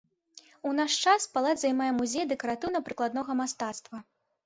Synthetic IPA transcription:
unaʂt͡ʂaspalˠad̪zajmajɛmuzʲejd̪ɛkɐɾat̪ɨwnɐpɾɨklˠad̪nɔɣɐmast̪at̪st̪vɐ

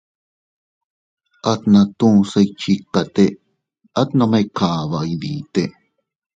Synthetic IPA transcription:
ʔat̪nat̪ũseit͡ʃikːat̪e | at̪nomekʰaβaiðit̪e

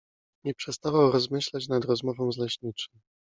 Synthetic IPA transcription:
ɲɛpʂɛst̪avawɾɔzmɘɕlat͡ɕnad̪ɾɔzmɔvɔ̃w̃zlɛɕɲit͡ʂɨ̥w

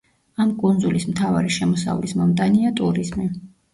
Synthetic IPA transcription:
amkʼund̪zulismt̪ʰava̰ɾiʃɛmɔsa̰vlismɔmt̪ʼaniat̪ʼuɾizmi

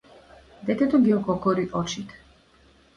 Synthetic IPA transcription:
d̪ɛt̪ɛt̪ɔɡiɔkɔkɔɾiʔɔt͡ʃit̪

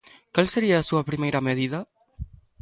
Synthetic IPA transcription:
kalseɾiaːsuɐpɾimejɾɐmeðiðɐ

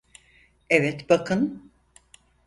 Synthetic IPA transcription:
ɛvɛt̪bakʰɯn

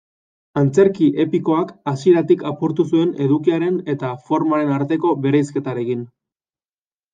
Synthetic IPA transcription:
ant͡se̞ɾkiʔe̞piko̞akasie̞ɾat̪ikapoɾt̪usue̞ne̞ðukiaɾe̞ne̞t̪afo̞ɾmaɾe̞naɾt̪e̞ko̞βe̞ɾejske̞t̪aɾe̞kin

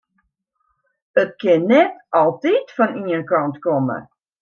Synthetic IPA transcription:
ət̚kɪnːɛtɑlˠtitfɔniənkɑntkɔmə̰

